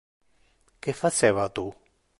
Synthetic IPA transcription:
kefat͡ʃeːvat̪u

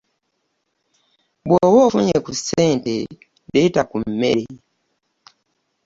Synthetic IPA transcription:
bwowofuɲekuseːntḛ | detakum̩ːḛɾe

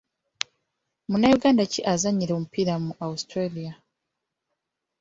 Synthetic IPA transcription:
munajuɡaːndaciʔazaɲiɾo̞mupiɾamuʔaustɾalia

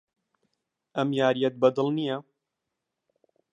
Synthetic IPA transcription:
ʔɐmjaːɾijɐt̪̚bɐd̪ɨlˠnijɐ

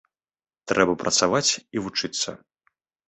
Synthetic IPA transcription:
t̪ɾʔɛbɐpɾʔɐt̪savat͡sʲivut͡ʂɨt̪sːɐ̰

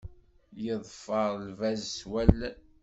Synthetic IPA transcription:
jəðˤfəɾˤlvæzswælː

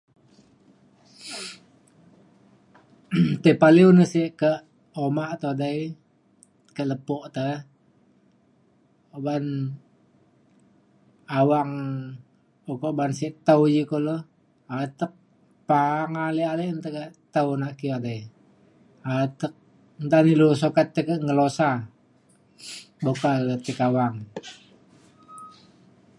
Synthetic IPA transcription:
t̪əpaliunəsiʔkə | omaʔt̪odai | kələpɔʔt̪ə | oban | awaŋ | okoʔbansiʔt̪əud͡ʒikolo | at̪ək̚ | paŋalealeʔnt̪əkəʔt̪əwnaʔkiade | at̪ək̚ | nt̪anilus̬okat̪ːəkəŋəlosa | bokalət̪ikawaŋ

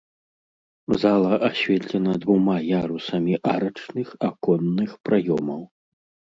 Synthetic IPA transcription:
zalˠɐʔaɕʲvʲɛt̪ʲlʲɛnɐd̪vumajaɾusɐmʲiʔaɾɐt͡ʂnɨxakɔnːɨxpɾajɔmɐw

